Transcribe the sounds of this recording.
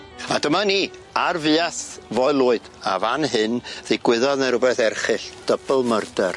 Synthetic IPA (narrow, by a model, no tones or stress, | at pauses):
adəmaniːarvɨaθvɔɨlˠuːɨd̥ | a̰vanɦɨnð̥eɡwɪðɔðnəɾʊbɛθɛrχɨɬd̥əbəlˠmərdər